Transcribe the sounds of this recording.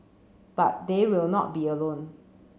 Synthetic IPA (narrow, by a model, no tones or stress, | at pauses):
b̥at̚dewɪlnɔ̰t̚biəlõn